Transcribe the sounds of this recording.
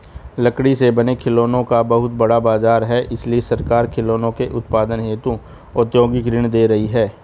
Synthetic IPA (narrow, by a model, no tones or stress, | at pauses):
lɐkɽisebɐnekʰɪloːnõkabɐɦʊt̪̚bɐɽabaːzaːɾɦɛʔɪsliesɐɾkaːɾkʰɪloːnõkeʔʊt̪paːd̪ənɦeːt̪u | ɔt̪joːɡikɾɪɳ̃d̪eːɾɐɦiɦɛː